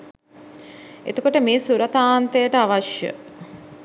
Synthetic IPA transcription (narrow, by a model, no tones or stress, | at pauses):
ḛt̪okoʈəmeːsuɾɐt̪aːnt̪ejəʈəaʋaʃjə̰